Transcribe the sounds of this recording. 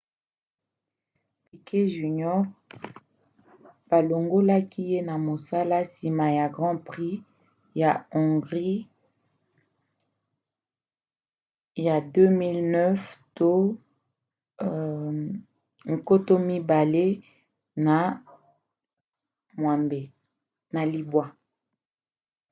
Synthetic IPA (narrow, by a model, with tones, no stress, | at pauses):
pi˨kʰe˦ʒy˨ɲɔ˦ʁ | b̥a˨lo˨ŋɡo˦la˦ki˦je˦na˨mo˨sa˦la˦si˨ma˨ja˨ɡʁɑ̃˦pʁi˦ | ja˨ɔ̃˨ŋɡʁi˦ | ja˨dø˦mi˦lnœ˦fto˦ | ŋ̩˨ko˦to˦mi˦ba˨le˦ | na˨ | mwa˨mbe˨ | na˨li˨bwa˦